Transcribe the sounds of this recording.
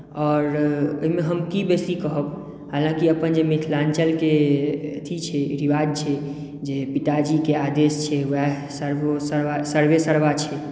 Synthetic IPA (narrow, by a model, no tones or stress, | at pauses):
ɔːɾoɦimẽɦəmkibesikəɦəb | ɦaːlãkiəpənd͡ʒemit̪ʰlant͡ʃəlket̪ʰit͡ʃʰɛɾiʋad͡ʒ̚t͡ʃʰɛ | d͡ʒepit̪ad͡ʒikead̪est͡ʃʰɛʋɛ | səɾʋosəɾʋasəɾʋesəɾʋat͡ʃʰɛ